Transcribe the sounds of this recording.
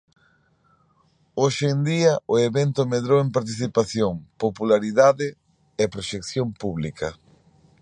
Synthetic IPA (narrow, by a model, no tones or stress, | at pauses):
oʃend̪iɐʊeβent̪omeðɾoempaɾt̪iθipaθjoŋpopulaɾiðaðɪ | ɛpɾoʃekθjompuβlikʰɐ